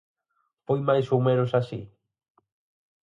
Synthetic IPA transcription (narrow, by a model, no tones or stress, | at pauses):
pojmajsumeɾosasḭ